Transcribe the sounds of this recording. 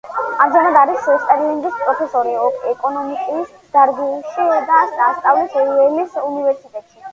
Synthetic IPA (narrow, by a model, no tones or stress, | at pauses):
amd̪d͡ʒɛnad̪aɾisst̪ʼɛɾliŋɡispʼɾɔpʰɛsɔɾiɔkʰɛkʼɔnɔmikʼuis | d̪̥aɾɡuʃid̪asast̪ʼavlisɔiɛlisunivɛɾsit̪ʼɛt̪ʼʃi